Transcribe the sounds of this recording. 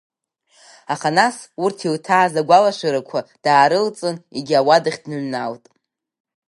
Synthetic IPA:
aχanasurtʰiwtʰaːzaɡʷalaʃʷɨɾakʷʰad̥aːɾɨlt͡sʼɨneɡʲawadɨχʲdnɨʕnaltʼ

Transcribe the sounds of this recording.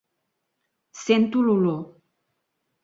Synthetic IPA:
sent̪ululo

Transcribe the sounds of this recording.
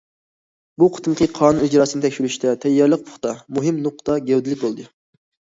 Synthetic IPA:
buqʰə̥t̪ʰɨmqʰəqʰɑːnuid͡ʒɾɑːsɨnɨt̪ɛkʲʃylyʃt̪ʰɛt̪ʰɛjːɑɾlˠəq̚pʰʊ̥χt̪ɑmuɦɨmnʊqt̪ɑɡʲɛwd̪ɪlɪk̚ʲbolˠd̪ɨ

